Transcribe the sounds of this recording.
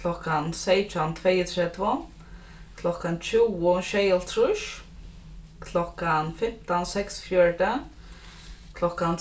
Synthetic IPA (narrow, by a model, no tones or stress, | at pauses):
kʰl̥ɔhkansejt̪ant̪ʰvejət̪ʰɾɛt̪vʊn | kʰlɔkant͡ʃʰuwʊʃejəlt̪ʰɾuʃ | kʰlɔkanfɪm̥t̪ansɛksfjœɹt̪ə | kʰlɔkan